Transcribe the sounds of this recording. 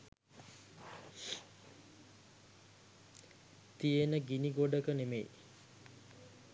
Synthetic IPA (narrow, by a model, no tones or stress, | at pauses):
t̪ijenəɡiniɡoɖəkənemḛj